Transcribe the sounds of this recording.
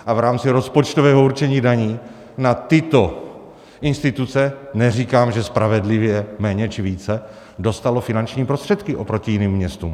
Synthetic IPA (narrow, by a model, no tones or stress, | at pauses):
ʔavɾaːmt͡sɪɾo̞spot͡ʃt̪ovɛːɦouɾt͡ʃɛɲiːdaɲiː | nat̪ɪt̪o̞ | ʔɪnst̪ɪt̪ut͡sɛnɛr̝iːkaːmʒɛspɾavɛdlɪvjɛmɛːɲɛt͡ʃɪviːt͡sɛ | do̞st̪alofɪnant͡ʃɲiːpɾost̪r̥ɛt̪kɪʔo̞pɾo̞cɪjɪniːmːɲɛst̪ṵːm